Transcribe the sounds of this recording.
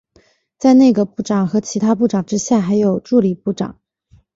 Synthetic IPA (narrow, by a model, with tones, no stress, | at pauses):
t͡sa˥˧ɪne˥˩ɪɡə˩pu˥˩ʈ͡ʂɑ˨˩ŋxɤ˧˥t͡ɕʰi˧˥t̪ʰa˥pu˥˩ʈ͡ʂɑ˨˩ŋʈ͡ʂɻ̩˥ɕja˥˩xa˧˥ɪjo˨˩ʊʈ͡ʂu˥˩li˨˩pu˥˩ʈ͡ʂɑ̰˨˩˦ŋ